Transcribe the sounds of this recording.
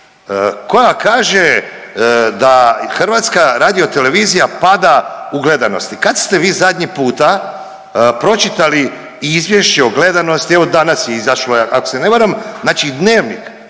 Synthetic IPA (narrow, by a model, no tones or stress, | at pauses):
ko̞jakaːʒe | d̪axr̩ʋat̪skaɾaːd̪io̞t̪e̞le̞ʋiːzijapad̪auɡle̞d̪anost̪ikad̪st̪e̞ʋiːzad̪ʲɲipuːt̪a | pɾo̞t͡ʃit̪ali | izʋje̞ʃt͡ɕeoɡle̞d̪anost̪ieʋo̞d̪anasjeizaʃloakoseneʋaɾamznaːt͡ʃid̪neːʋnḭk